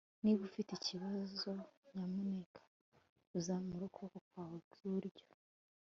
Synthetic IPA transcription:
niβufiteciβazo̞ɲamunekʰḁ | uzaːmuɾokʰokokawobuɾɟo̥

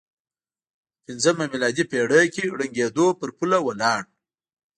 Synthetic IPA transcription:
pɪnzəmamilɑd̪ipeɽəkʲiɽəŋɡed̪opəɾpulawəlɑːɳ

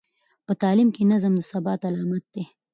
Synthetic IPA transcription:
pət̪ɑːlimkenazəmd̪əsɐbɑːt̪alɑːmat̪̚d̪̥e

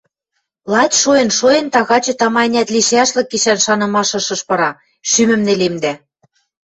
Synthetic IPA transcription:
lˠɑt̪ʲʃojɤ̆nʃojɤ̆nt̪ɑɣɑt͡ɕɤ̆t̪ɑmɑnʲæt̪liʃæʃlɤ̆kːiʃænʃɑnɤ̆mɑʃɤ̆ʃɤ̆ʃpɤ̆ɾɑ | ʃymɘ̆mnelemd̪æ

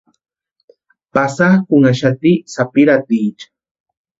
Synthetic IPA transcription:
pasakʊŋaʃat̪isapiɾat̪iːt͡ʃḁ

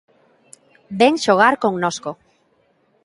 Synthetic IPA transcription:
beŋʃoɣ̞aɾkoŋnosko

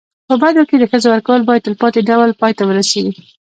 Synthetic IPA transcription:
pəbad̪oked̪əxəzowaɾkawəlbɑjad̪̚əlpɑt̪eɖawlpɑjt̪awəɾaseɡi

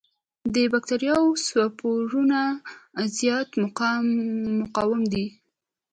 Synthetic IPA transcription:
d̪əbak̚t̪aɾjɑwswapʰoɾunazjɑt̪m | mːʊqɑwɪmd̪i

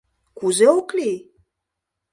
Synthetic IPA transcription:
kuzeokli

